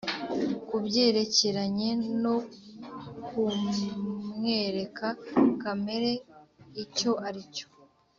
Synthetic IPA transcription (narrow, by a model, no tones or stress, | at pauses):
kubɟe̞ːɾe̞ce̞ɾaɲe̞no̞ | ku | ŋe̞ːɾe̞kʰakame̞ɾe̞ico̞aɾico̥